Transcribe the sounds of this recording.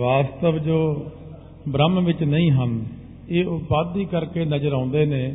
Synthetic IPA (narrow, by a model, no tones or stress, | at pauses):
ʋaːst̪əʋd͡ʒoː | bɾəmʋɪt͡ʃnəĩːɦən | eːʊbaːd̪ːiːkəɾkeːnəd͡ʒəɾãːʊnd̪eːneː